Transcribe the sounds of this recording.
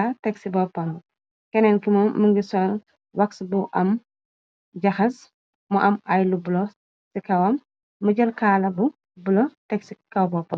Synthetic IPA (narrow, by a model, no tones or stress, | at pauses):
ɐtɛksibɔpːɐn | kɛnɛnkimɐməŋɡisɔn | wɐksbuʔɐm | d͡ʒɐxɐs | mɔʔɐmɐjlubulɔ | sikɐwɐmː | ɐɟɐlkaːlɐbu | bulɔtɛksikɐwbɔpːɐn